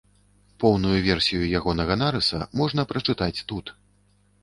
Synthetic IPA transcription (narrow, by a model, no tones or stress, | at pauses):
pɔwnujuvʲɛrsʲijujaɣɔnɐɣɐnaɾɨsɐ̰mɔʐn̪ɐpɾɐt͡ʂɨt̪at͡sʲt̪ut̪